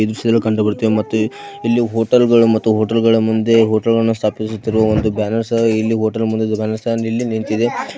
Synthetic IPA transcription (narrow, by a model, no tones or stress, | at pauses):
id̪ɾuʂɐd̪ɐlːukɐɳɖɐbɐɾt̪ːiʋemɐt̪ːu | ilːiɦoːʈɐlɡɐɭumɐt̪ːuɦoːʈɐlɡɐɭɐmund̪e̞ɦoːʈɐlɡɐɭɐnːust̪ʰaːpisut̪ːiɾuʋɐond̪ubaːnɐɾsilːiɦoːʈɐlmund̪ebaːnɐɾsɐnilːiniɳt̪id̪e̞